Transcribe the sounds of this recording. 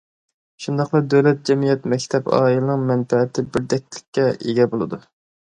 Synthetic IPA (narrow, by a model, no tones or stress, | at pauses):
ʃund̪ɑqlˠɨd̪øwlɛt̪̚d͡ʒɛmijɛt̪mɛkʲt̪ʰɛbɑ̰ːilɨnɨŋmɛnfɛːt̪ʰɪbɪɾd̪ɛk̚ʲlɪ̥kʲʰːɛʔeɡʲɛbolˠɨd̪u